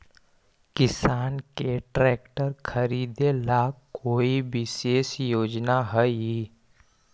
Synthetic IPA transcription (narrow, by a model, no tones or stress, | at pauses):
kɪsaːnkeʈɾɛːkʈəɾkʰəɾiːd̪elaːkkoːiʋɪʃeːʃjoːd͡ʒnaɦəi